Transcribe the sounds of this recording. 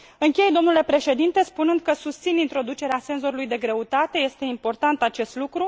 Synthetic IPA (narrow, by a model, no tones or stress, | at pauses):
ɨŋkʲe̞jd̪o̞mnule̞pɾe̞ʃe̞d̪int̪e̞spunɨnd̪̚kəsust̪sinint̪ɾo̞d̪ut͡ʃe̞ɾease̞nzo̞ɾulujd̪e̞ɡɾe̞ut̪at̪e̞je̞st̪e̞impo̞rt̪ant̪at͡ʃe̞st̪lukɾu